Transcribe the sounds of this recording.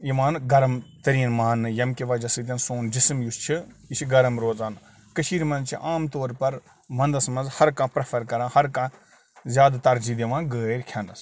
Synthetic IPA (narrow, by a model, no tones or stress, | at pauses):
jiʋaːnɡɐɾɐmt̪ɐɾiːnmaːnːɨjɐmkʲiʋɐd͡ʒɐsɨt̪ʲɐnsoːnd͡ʒismjust͡ʃʰiiʃiɡɐɾɐmɾoːt͡saːn | kəʃiːɾmɐnt͡ʃʰiʔaːmt̪oːɾpɐɾ | mɐ̃nd̪ɐsɐmɐnzhɐɾkãːpɾɐpʰɐɾkɐɾãːhɐɾkã | zʲjaːd̪t̪ɐɾd͡ʒiːd̪iʋãːnɡəːɾʲkʲʰɐnɐs